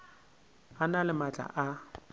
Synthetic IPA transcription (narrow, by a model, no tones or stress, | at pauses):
analɪmat͡ɬʼa̰ʔa